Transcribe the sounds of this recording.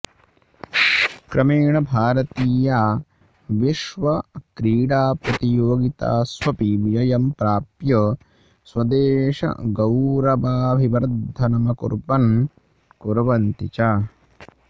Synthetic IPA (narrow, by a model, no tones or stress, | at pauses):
kɾɐmeːɳɐbʱaːɾɐt̪iːjaː | ʋiʃʋɐkɾiːɽaːpɾɐt̪ijoːɡit̪a̰ːsʋɐpiʋijɐjɐmpɾaːpjɐ | swɐd̪eːʃɐ̰ɡɐwɾɐʋaːbʱiʋɐɾd̪ʱɐnɐmɐkṵɾbɐn | kuɾʋɐnt̪it͡ʃaː